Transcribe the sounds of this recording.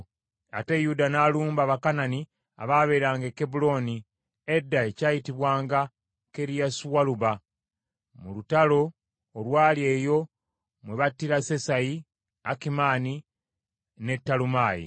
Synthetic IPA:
a̰te̞judanaːluːmbaβakanani | a̰βaːβe̞ːɾaːŋɡeke̞bulo̞ni | e̞dːaecaːjitiβwaːŋɡa | ke̞ɾijasuwaluβa | mulutalo̞ː | lwaːlie̞ːjo̞ | mwe̞βatːiɾase̞saji | akimaːni | ne̞tːalumaːjḭ

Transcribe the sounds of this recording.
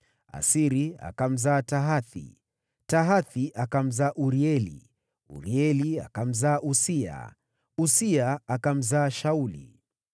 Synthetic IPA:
a̰siɾia̰kam̩zaːtaɦaθḭ | taɦaθiʔakam̩zaːʔuɾiɛlḭ | ṵɾiɛlia̰kam̩zaːʔusia̰ | usiaːkam̩zaːʃaulḭ

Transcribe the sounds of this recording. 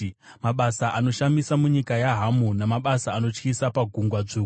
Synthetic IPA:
maɓasaʔano̞ʃamisamuɲikajaɦamunamaɓasaːno̞t͡ʃkisapaɡʱuŋɡwad͡zuku

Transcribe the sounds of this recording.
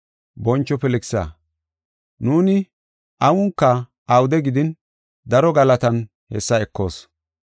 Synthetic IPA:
bɔnt͡ʃːɔpɛlɪksɐ̰ | nuːnɪ | ʔɐwʊŋkːɐ | ʔɐwd̪ɛɡɪd̪ɪn | d̪ɐɾɔɡɐlɐt̪ɐn | hɛsːɐɛkːo̞̰ːs

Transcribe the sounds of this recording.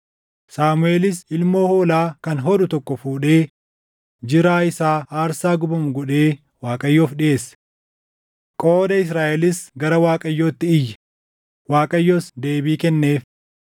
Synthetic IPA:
saːmʊe̞ːlɪsɪlmo̞ːhoːlaːkɐnɦɔᶑʊt̪ɔkːɔfuːᶑe̞ː | d͡ʒɪɾaːɪsaːʔaːɾsaːɡʊbɐmʊɡɔᶑe̞ː | waːkʼɐjːo̞ːfᶑɪe̞ːs | kʼo̞ːd̪ɐɪs̬ɾaːʔɛlɪsɡɐɾɐwaːkʼɐjːoːt̪ːɪɪjːɐ̥ | waːkʼɐjːo̞ːsd̪e̞ːbiːkɛnːe̞ːf

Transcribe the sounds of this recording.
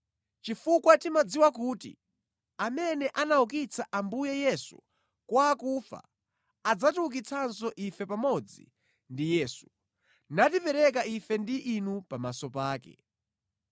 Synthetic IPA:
t͡ʃifukwatimad͡ziwakutḭ | amɛnɛʔanauk̬it͡sʰaʔambujɛjɛsu | kwaːkufa̰ | ad͡zatuuk̬it͡sʰansɔʔifɛpamɔd͡zḭ | ndijɛːsu̥ | natipɛɾɛk̬aifɛndiʔːnupamasɔpaːkɛ̰

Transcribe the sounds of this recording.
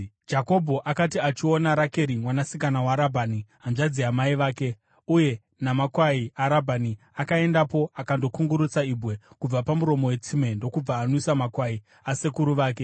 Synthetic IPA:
d͡ʒako̞bʱo̞ʔakatiat͡ʃio̞naɾake̞ɾimwanasikanawaɾabʱaniɦanʐad͡ziamaiʋaːke̞ | uje̞ | namakwaiaɾabʱani | akae̞ndapo̞ʔakando̞kuŋɡuɾut͡saibʱwe̞kub͡vapamuɾo̞mo̞we̞t͡sime̞ndo̞kub͡vaːnoisamakwai | ase̞kuɾuʋaːk̬e̞

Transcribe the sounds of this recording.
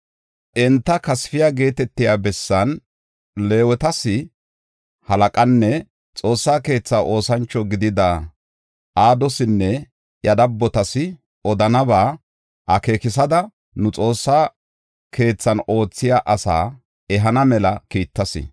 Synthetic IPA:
ʔɛnt̪ːɐkɐsfɪjaːɡe̞ːt̪ɛt̪ːɪjaːbɛsːɐn | le̞ːwɛt̪ɐsɪ | hɐlɐkʼɐnːɛ | t͡sʼo̞ːsːaːke̞ːt͡sːaːʔo̞ːsɐnt͡ʃːɔɡɪd̪ɪd̪a | ʔaːd̪ɔsɪnːɛ | jɐd̪ɐbːɔt̪ɐsɪ | ɔd̪ɐnɐbaː | ʔɐke̞ːkɪsɐd̪ɐ | nʊt͡sʼo̞ːsːaː | ke̞ːt͡sːɐno̞ːt͡sːɪjaːʔɐsa̰ː | ɛɦɐnɐmɛlɐkiːt̪ːɐsɪ̰

